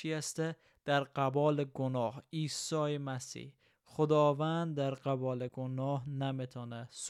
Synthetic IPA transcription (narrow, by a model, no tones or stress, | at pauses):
ijast̪a | d̪̥aɾqʰabɒlɪɡʊnɒhisɒɪmasḭh | χʊd̪ɒvand̪ːaɾqʰɑbɒlɪɡʊnɒɦnamet̪ʰɒnas